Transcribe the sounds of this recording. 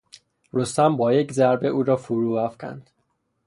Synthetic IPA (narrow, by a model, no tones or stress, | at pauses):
rost̪æmbɒːjeczæɾbe̞ʔuːɾɒːfuɾuːvæfcʰæ̰nd̪̥